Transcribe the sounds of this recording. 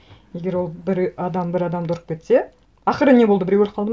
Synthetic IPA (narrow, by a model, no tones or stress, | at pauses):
je̞ɡʲe̞ɾwo̞lˠbɪɾɑd̪ɑmbɪɾɑd̪ɑmd̪ʊɾəq̚kʲʰe̞t̪se̞ | ɑχəɾəne̞bolˠd̪əbɪɾewelqʰɑlˠd̪əm